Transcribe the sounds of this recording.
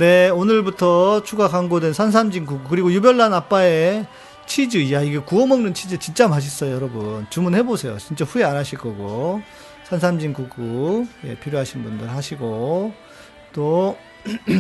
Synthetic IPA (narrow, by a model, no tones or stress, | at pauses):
ne̞onɯɭbutʰʌt͡ɕʰuɡakaŋɡodwe̞nsʰans̬ʰamd͡ʑinkuɡukɯɾiɡojubjʌɭːanap͈ae | t͡ɕʰid͡ʑɯijaiɡe̞kuʌmʌŋnɯnt͡ɕʰid͡ʑɯt͡ɕint͡ɕ͈amɦaɕ̬ʰis͈ʌjojʌɾʌbunt͡ɕumunɦhe̞bosʰe̞jo̰t͡ɕint͡ɕ͈aɸueanaɕʰiɭk͈ʌɡo | sʰans̬ʰamd͡ʑinkuɡuje̞̰pʰiɾjoɦaɕʰinbundɯɭhaɕʰiɡo | t͈o